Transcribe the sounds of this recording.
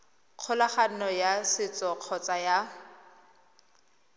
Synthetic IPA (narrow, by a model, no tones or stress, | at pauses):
q͡χʰʊlaχan̩nɔjasɪt͡sʼɔq͡χʰɔt͡sʼaja